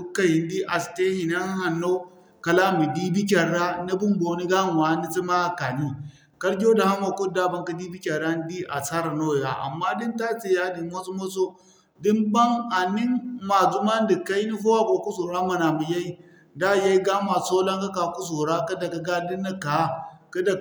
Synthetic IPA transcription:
u˦kːa˦ji˨n˦di˦ʔa˨ste˦hi˨na˦ha˨nːo˦ | ka˨la˦mi˨di˦bi˦k̬ʲa˨ɾa˦na˦bu˦mbo˨˦ni˦ɡa˦n˨wa˨˦ni˦t͡si˦ma˦˨ka˨ni˦ | ka˦ɾd͡ʒʲo˦da˨ha˦mo˨ku˦da˦ba˦ŋka˦di˦bi˦kʲa˨ɾa˦n˦di˦ʔa̰˨sa˦ɾa˨no˦˨ja̰˨ʔa̰˨mːa˦di˦nta˦t͡si˨ja˦di˨mo˦so˦mo˦so˦ | di˦nba˦ŋa˨ni˦nma˨zu˦ma˦n˦di˨ka˦i˦ni˦fo˦wa˦bo˨ku˦so˨ɾa˦ma˨na˨mi˨ja˦i˦ | da˦˨ja˦i˦ɡa˦ma˨so˦la˦ŋka˦ka˨ku˦s̬o˨ɾa˦ka˦da˨ka˨ɡa˦di˦nːa˦ka˨˦ka˦da˨

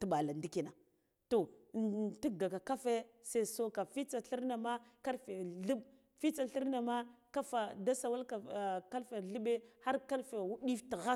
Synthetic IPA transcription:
tu˨ɓa˨la˨ndi˦ki˨na˨ | to˨ | ti˦ɡa˨ka˨ka˦fe˦se˦˨so˦ka˨fi˦t͡sa˨ɬi˦ɾna˨ma˦ka˦lfe˨ɮu˦b | fi˦t͡sa˨ɬi˦ɾna˨ma˦ka˦fa˨da˦sa˨wa˦lka˨ka˦lfe˨ɮə˦ɓe˦ha˦ɾka˦lfe˨wu˦ɗi˦fti˨ɣa˦

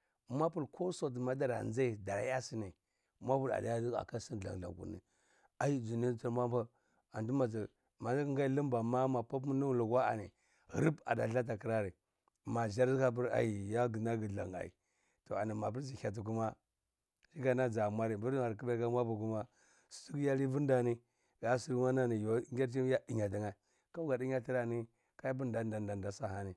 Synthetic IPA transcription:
ma˦pu˨lkʰo˦so˦t̬ma˦da˦ɾa̰˨n˦d͡za˦i˨da˨ɾa̰˦ja˦si˦ni˨ | ma˦pu˦la̰˨da˦ja˦di˦a̰˨ka˦si˦n˨a̰˨ŋ˨ɮa̰˨ɡṵ˨nḭ˨ | a˨ji˦d͡ʒu˨ni˦t͡si˦ɾma˦ba˦ | a˨ndu˦ma˨i˨ | ma˨˦ŋɡa˦i˦lə˦mba˨ma˦ma˨pa˦p̬m˦ni˦lu˨ɡwa˦a̰˨nḭ˨ | ɾi˦ba̰˨da̰˨ɬa˦t̬a˨ki˦ɾa˦ɾi˨ | ma˨d͡ʒa˦ɾka˦p̬i˦ɾa̰˨ji˨ja˦ɡi˨na˦ɡi˨ɮa̰˨ŋa̰˨ḭ˨ | to˨a̰˨ni˨ma˨p̬i˦ɾd͡ʒi˨a˨t̬u˨k̬u˦ma˦ | d͡ʒi˦ɡa˨na˦d͡ʒa˨mʷa˦ɾi˨bu˦ɾa˨ɾki˦ba˦a˦mʷ˦a˦bu˨ku˦ma˦ | su̥˨˦tu˦kja˦li˦vu˦n˦da˨ni˦ | ɡa˨˦su˦ɾwa˦na˦ni˨jo˨˦ŋɡʲa˦ɾt͡ʃ̬i˦ja˦di˨ɲa˨di˨ŋa˨ | ka˦u˦ɡa˨di˦ɲa˦ti˦ɾa˨ni˦ | ka˦ja˦b̬u˦nda˨nda˨nda˨nda˨sa˦ha˨ni˨

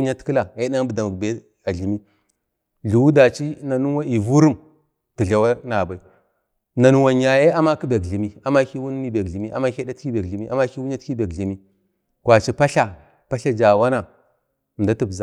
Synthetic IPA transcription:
ɲa˦tkə˦la˨e˦ɗa˦n˦bə˨da˨mu˨ɡbe˦ | a˨ɮi˨mi˦ | ɮu˨wu˦da˨t͡ʃi˦na˨nu˦wa˦i˨vu˦ɾu˦m | ti˨ɮa˨wa˦na˨ba˨i˦ | na˨nu˦wa˨ɲa˨je˦a˦ma˦ki˦be˨kɮi˨mi˦a˨ma˦ki˦wu˦nː˦i˦be˨kɮi˨mi˦ʔa̰˨ma˦ke˦da˦ti˦be˨kɮi˨mi˦ʔa̰˨ma˦ki˦wu˦ɲ˦a˦tki˦be˨kɮi˨mi˦ | kwa˨t͡ʃi˦pa˦ɬa˦ | pa˦ɬa˦d͡ʒa˨wa˦na˨ | nda˦ti˦bza˦

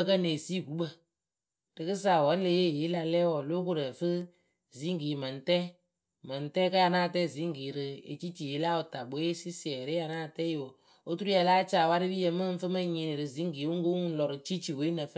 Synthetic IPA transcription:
kə˦ne˨si˦˨ɡu˨˦ɓə˨ | d̥ɨ˨kɨ˦s̬aː˨wɔ˨˦n˦le˧˦je˦˨je˨˦la˧lɛ˦wɔ˨lo˦k̬o˦ɾə˨fɨ˦ | zi˨˦ŋɡi˨mə˨n˨tɛ˦ | mə˨n˨tɛ˦ka˦a˧naː˦˨tɛ˦˨zi˨˦ŋ˦ɡi˨ɾɨ˧ḛ˨t͡ʃi˦t͡ʃi˨je˨˦la˦o˨ta˨ɓo˨˦si˦sɪ˨ɛ˨ɾe˦a˧naː˦˨tɛ˦jo˨ | o˦tu˦ɾu˦ja˧laː˦t͡ʃaː˨wa˦ɾɨ˦bi˦jə˧mɨ˦˧˦fɨ˦mə˦ɲi˨ni˨ɾɨ˨zi˨˦ŋ˦ɡi˨˦wu˦ŋ˦ɡo˦ŋ˦ŋu˦n̩˦lɔ˨ɾɨ˨t͡ʃi˦t͡ʃi˨we˨˦nə˨f

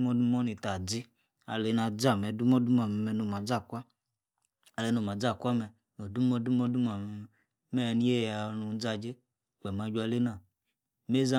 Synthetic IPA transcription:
mɔ˦du˦mɔ˦ni˨ta˨d͡zi˦ | a̰˧le˨˦na˧d͡za˦˨mɛ˨du˦mɔ˦du˦ma˨m˨mɛ˧˨no˨m˨a˨d͡za˦˨kʷa˦ | a˧le˨˦no˨ma˨d͡za˦˨kʷa˦mɛ˧ | no˨du˦mɔ˧˦du˦mɔ˦du˦ma˨ | mɛ˦˧ni˦je˦˨ja˨˧nu˨˧˦d͡za˧d͡ʒe˦ | k͡pɛ˨ma˧d͡ʒu˦a˧le˦na˨ | me˦za˦

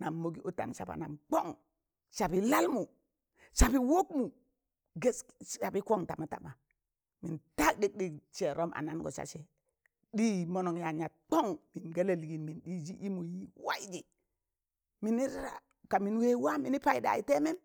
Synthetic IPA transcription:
na˨mːo˨ɡi˦ʔo˦ta̰˨nsa̰˨ba̰˨na˨mk͡po˦ŋ | ʃa˨bi˨la˦lmu˨ | ʃa˨bi˨wo˦kmu˨ | ɡe˦sa˨bi˦ko˦ŋta˨ma˨˦ta̰˨ma˨ | mi˨nta˦kdi˦k̚ɗi˦˨t͡ʃe˨ɾo˦mʔa̰˨na˦nɡo̰˨sa̰˨se˨ | ɗi˦mo˦no˨ŋja˨ɲa˨k͡po˦ŋmi˨nɡa˦le˨li˨ɡi˨nmi˨nɗi˦d͡ʒi˦ʔi˦mu˨ji˦wa˦d͡ʒi˨ | mi˨ni˦ɾɾa̰˨ | ka˨mi˨nwe˦wa˦mi˨ni˦pa˦i˦da̰˨i˦te˦me˦m

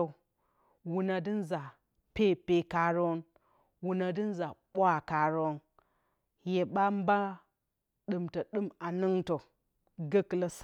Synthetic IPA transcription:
wu˨na˨di˦nza˨ | pe˦pe˦ka˨ɾo˦n | wu˨na˨di˦n˦za˨ɓʷwa˨ka˨ɾo˦n | je˨ɓa˦m˦ba˦ | ɗɨ˨mtə˨ɗɨ˦ma˨nɨ˦ŋto˨ | ɡə˦kla˦s

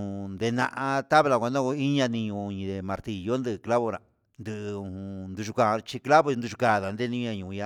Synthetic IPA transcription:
ũ˧nd̪e˧nã̰˧ʔã˧t̪a˦βla˧kʷa˧nã˦ko˧i˦ɲã˧nĩ˧ɲũ˧ɲĩ˧ðe˧mã˧ɾt̪i˨jo˦nd̪ɨ˧kla˦βo˧ɾã˨ | nd̪ɨ˧ʔũ˧˨hũ˧nd̪u˧ʃu˧ka˧˨˧t͡ʃi˧kla˦βo˧nd̪u˧ʃu˧ka˧˨ða˨nd̪e˦nĩ˧ɲã˧ɲũ˨˧ja˧

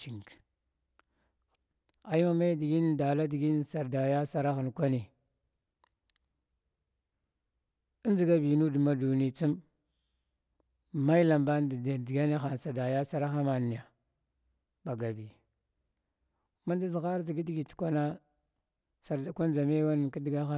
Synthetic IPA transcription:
t͡ʃi˨ŋk | a˨ji˦ma˦ma˦jdi˨ɡi˦nda˨la˦di˨ɡi˦nsa˨ɾda˨ja˦sa˦ɾa˦xi˨nkʷa˦ni˨ | i˦nd͡ʒi˨ɡa˦bi˨nu˦dma˦du˨ni˦˨t͡si˦m | ma˦i˦la˨mba˦nddi˨ɡa˦ni˦xa˨n˨sa˨da˨ja˦sa˦ɾa˦xa˦ma˨ni˨ja˨ | ba˨ɡa˨bi˨ | ma˦nda˦zɣa˦ɾd͡ʒi˨ɡi˦di˦ɡi˨tkʷa˦na˦ | sa˨ɾda˨kʷa˦nd͡ʒa˨me˦wa˦n˨ki˦di˨ɡa˦xa˦

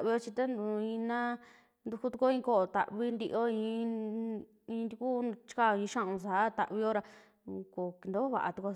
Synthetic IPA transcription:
βi˧˦o˦t͡ʃi˧t̪a˦nd̪ũ˨˧˨ĩ˧nã˦ | nd̪u˧ku˦t̪u˧ko˦ĩ˧ko˦˨o˨t̪a̰˨ʔβi˦nd̪i˧ʔo˦ĩ˧ | ĩ˧nd̪i˧ku˦t͡ʃi̥˦ka˦˨o˧ĩ˧ʃa˦ʔũ˧sa˨˦t̪a˨ʔβi˧o˦ɾa˧ | ko˨knd̪o˦βa̰˨ʔa̰˨t̪u˧ko˧

